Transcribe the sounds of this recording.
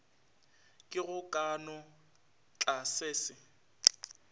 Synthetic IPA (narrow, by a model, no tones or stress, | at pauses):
kʼɪɣʊkʼanɔ | t͡ɬʼaseːsɪ